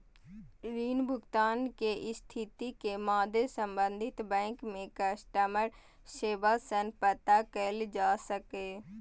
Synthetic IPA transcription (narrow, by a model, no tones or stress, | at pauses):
ɾiːnbʱʊɡt̪aːnkeʔɪst̪ʰɪt̪ikemaːd̪esə̃mbə̃nd̪ʱɪt̪bɛ̃ːŋkmẽkəsʈəməɾ | ʃeːbasənpət̪akəld͡ʒaːsəkeː